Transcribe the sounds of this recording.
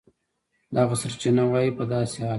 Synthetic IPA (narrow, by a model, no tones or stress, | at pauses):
d̪ɑɣasaɾt͡ʃinawɑjipəd̪ɑsehɑl